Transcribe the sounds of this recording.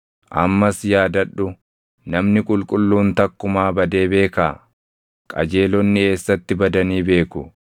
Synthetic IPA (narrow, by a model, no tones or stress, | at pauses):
ʔɐ̰mːɐsjaːd̪ɐᶑːʊ | nɐmnɪkʼʊlkʼʊlːuːnt̪ɐkːʊmaːbɐd̪e̞ːbe̞ːkaː | kʼɐ̰d͡ʒe̞ːlɔnːɪe̞ːsːɐt̪ːɪbɐd̪ɐniːbe̞ːkʊ